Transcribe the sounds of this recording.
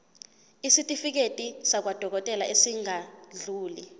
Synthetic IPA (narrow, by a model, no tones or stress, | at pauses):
isitʼifik̬etʼisak̬wad̥ʱɔk̬ɔtʼɛlaʔesiŋaɮuːli